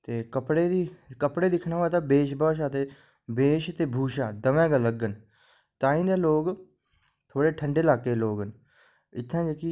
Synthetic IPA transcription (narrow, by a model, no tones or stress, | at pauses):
t̪eːkəpɽeːd̪iːkəpɽeːd̪ɪkʰnãːaːt̪aːbeːʃbaːʃaːt̪eː | beːʃt̪eːbʱuːʃaːd̪əʋɛ̃ːɡələɡːən | t̪ãːĩːd̪eːloːɡ | t̪ʰoːɽeːʈʰəɳɖeːlaːkeːloːɡən | ɪt̪ʰːãːd͡ʒəkiː